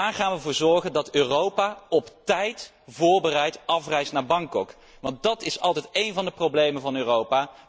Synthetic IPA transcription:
aːɹχaːnʋəvʊːɹzɔɹχəndɑtøːrowpaːɔptɛjt | vʊːɹbərɛjtɑfrɛjstnaːɹbɑŋkɔk | ʋɑnt̚dɑtɪsɑlˠtɛjtejnvɑndəprowblejmənvɑnøːrowpaː

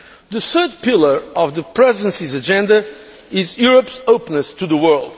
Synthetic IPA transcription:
ðɨθɜ˞d̪̚pɪlˠə˞ɔvðəpʰɹɛzə̃nsizɨd͡ʒɛ̃nd̪ɐ | ɪzjuɹəpsoʊpənɨst̪ʰuðəwɜ˞lˠd̪̥

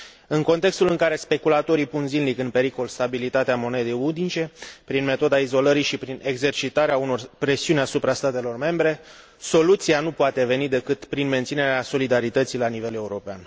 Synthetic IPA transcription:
ɨŋko̞nt̪e̞kst̪ulɨŋkaɾe̞spe̞kulat̪o̞ɾipunzinlikɨnpe̞ɾiko̞lst̪abilit̪at̪eamo̞ne̞d̪ejud̪it͡ʃe̞pɾinme̞t̪o̞d̪aizo̞ləɾiʃipɾine̞ɡze̞rt͡ʃit̪aɾeauno̞rpɾe̞siunʲasupɾast̪at̪e̞lo̞rme̞mbɾe̞ | so̞lut̪sianupoat̪e̞ve̞nid̪e̞kɨt̪pɾinme̞nt̪sine̞ɾeaso̞lid̪aɾit̪ət̪sijlanive̞le̞uɾo̞pean

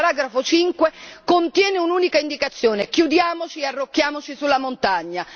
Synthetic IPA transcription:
ɾaːɡɾafot͡ʃiŋkwekont̪jɛːneunuːnikaind̪ikat̪sːjoːnekjud̪jaːmot͡ʃiearːokːjaːmot͡ʃisulːamont̪aɲːa

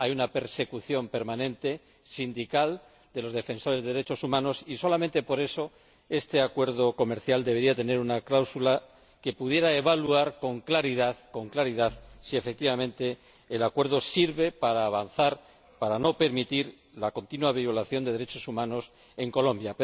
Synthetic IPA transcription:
ajunape̞ɾse̞kuθjo̞mpe̞ɾmanẽnt̪e̞ | sind̪ikal | d̪e̞lo̞zðe̞fẽ̞nso̞ɾe̞zðeeɾe̞t͡ʃo̞sumãno̞siso̞lament̪e̞po̞ɾe̞so̞ | e̞st̪e̞akwe̞ɾðo̞ko̞me̞ɾθjald̪eβ̞e̞ɾiat̪e̞ne̞ɾunaklawsula | ke̞puðje̞ɾae̞βaluaɾko̞ŋklaɾiðaðko̞ŋklaɾiðaðsie̞fek̚t̪iβamẽ̞nt̪e̞ː | lakwe̞ɾð̞o̞siɾβe̞paɾaːβanθaɾ | paɾano̞pe̞ɾmit̪iɾ | lako̞nt̪inwaβ̞io̞laθjo̞nd̪e̞ðe̞ɾe̞t͡ʃo̞sumãno̞s | e̞ŋko̞lõ̞mbjap

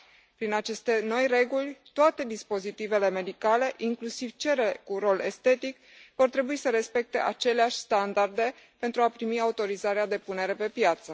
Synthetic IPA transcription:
pɾinat͡ʃe̞st̪e̞no̞jre̞ɡulʲt̪oat̪e̞d̪ispo̞zit̪ive̞le̞me̞d̪ikale̞ʔiŋklusiv̥t͡ʃe̞ɾekuɾo̞le̞st̪e̞t̪ik | vo̞rt̪ɾe̞buisəɾe̞spe̞k̚t̪e̞̰ʔat͡ʃe̞leaʃʲst̪and̪ard̪e̞ | pe̞nt̪ɾuapɾimiaut̪o̞ɾizaɾead̪e̞pune̞ɾe̞pe̞pjat̪sə

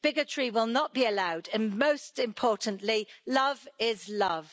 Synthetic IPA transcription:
b̥ɪɡət͡ʃʰɹ̥iwɪlˠnəʔ̚b̥iəlaʊdə̃nməʊstɪ̃mpʰɔˑʔn̩ʔlilʌvɪzlʌv̥

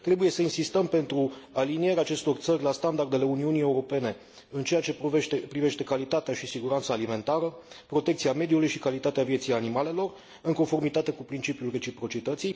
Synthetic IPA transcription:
t̪ɾe̞buje̞səinsist̪əmpe̞nt̪ɾualinije̞ɾeat͡ʃe̞st̪o̞rt̪səɾʲlast̪and̪ard̪ele̞uniunije̞uɾo̞pe̞ne̞ | ɨnt͡ʃe̞jat͡ʃeeepɾive̞ʃt̪e̞kalit̪at̪eaʃisiɡuɾant̪saːlime̞nt̪aɾəpɾo̞t̪e̞k̚t̪sijame̞d̪julujʃikalit̪at̪eavije̞t̪sijanimale̞lo̞r | ɨŋko̞nfo̞rmit̪at̪e̞kupɾint͡ʃipijulre̞t͡ʃipɾo̞t͡ʃit̪ət̪sij

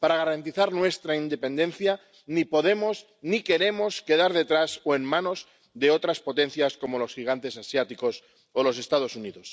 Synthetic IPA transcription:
paɾaɣ̞aɾant̪iθaɾnwe̞st̪ɾaind̪e̞pe̞nd̪ẽ̞nθja | nipo̞ð̞e̞mo̞s | nike̞ɾe̞mo̞ske̞ð̞aɾðe̞t̪ɾasoe̞nmãno̞z | ðe̞o̞t̪ɾaspo̞t̪e̞n̟θjasko̞mo̞lo̞sxiɣ̞ant̪e̞sasjat̪iko̞s | olo̞s̬e̞st̪að̞o̞suniðo̞s

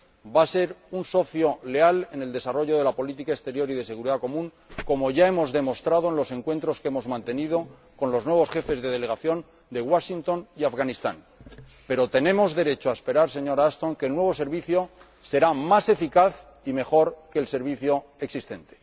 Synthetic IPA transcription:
base̞ɾunso̞θjo̞le̞ale̞ne̞ld̪e̞saro̞ʝo̞ð̞e̞lapo̞lit̪ikaekst̪e̞ɾjo̞ɾiðe̞se̞ɣ̞uɾiðako̞mũŋ | ko̞mo̞ʝae̞mo̞zðe̞mo̞st̪ɾað̞oenlo̞se̞ŋkwe̞nt̪ɾo̞ske̞mo̞zmãnt̪e̞nið̞o̞ | ko̞nlo̞znwe̞βo̞sxe̞fe̞zðe̞ð̞e̞le̞ɣaθjo̞ŋ | d̪e̞ɣwaʃint̪o̞niafɣanist̪a̰ŋ | pe̞ɾo̞t̪e̞nẽ̞mo̞zðe̞ɾe̞t͡ʃoaespe̞ɾaɾs̬e̞ɲo̞ɾaast̪o̞ŋke̞ːlnwe̞β̞o̞s̬e̞ɾβ̞iθjo̞ | se̞ɾamase̞fikaθ | ime̞xo̞ɾkeːlse̞ɾβ̞iθjo̞eksist̪e̞nt̪e̥

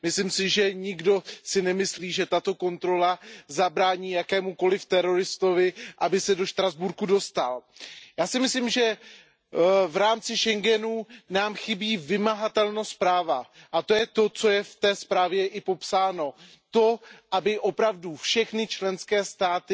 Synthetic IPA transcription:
mɪslɪmsɪʒɛɲɪɡdo̞sɪnɛmɪsliːʒɛt̪at̪o̞ko̞nt̪ɾo̞lazabɾaːɲiːjakɛːmuko̞lɪft̪ɛɾo̞ɾɪst̪o̞vɪʔabɪsɛdo̞ʃt̪ɾazbuɾkudo̞st̪aljaːsɪmɪslimʒɛ | vɾaːmt͡sɪʃɛŋɡɛnuːnaːmxɪbiːvɪmaɦat̪ɛlnospɾaːva | ʔat̪o̞jɛt̪o̞t͡so̞jɛft̪ɛːspɾaːvjɛʔɪpo̞psaːno̞ | t̪o̞ʔabɪʔo̞pɾavdufʃɛxnɪt͡ʃlɛnskɛːst̪aːt̪ɪ

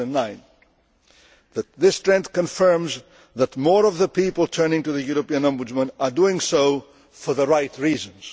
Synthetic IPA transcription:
ɨ̃nːãɪ̃n | ðɨt̪̚ðɪstʰɹ̥ɛ̃nθkɨ̃ɱfɜ̃˞mz | ðət̚mɔɹʌvðəpʰipəl̩ˠtʰɜ̃˞nɪ̃ŋtɨðɨjuɹəpiɨ̃næ̃mbɨd͡ʒmə̃ntə˞duɪ̃ŋsoʊ | fə˞ðəɹaɪt̚ʰɹizə̃nz̥

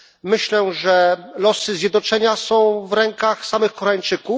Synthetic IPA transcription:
mɘɕlɛʐɛlɔsɘzʲjɛd̪nɔt͡ʂɛɲasɔ̃w̃vɾɛŋkaxsamɘxkɔɾaɲt͡ʂɘku

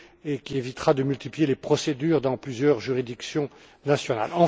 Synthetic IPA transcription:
ekʲievit̪χad̪əmylt̪iplijelepχɔsed̪yːʁd̪ɑ̃plyzjœʁʒyʁid̪iksjɔ̃ | nasjɔna̰lɑ̃

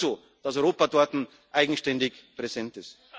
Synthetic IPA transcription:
zoː | d̥asɔʏʁoːpadɔɐtn̩ | ʔaɪɡŋ̩ʃtɛndɪkpʁesɛntɪst

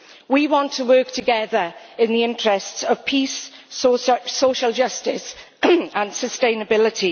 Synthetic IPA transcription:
wiwɒ̃ntʰəwɜˑk̚tʰəɡɛðəɹ | ɪ̃nðiɪ̃ntɹ̥ɛstsəv̥pʰis | soʃəlˠd͡ʒʌstɪs | ə̃nsəstẽɪ̃nəbɪlɪtʰi

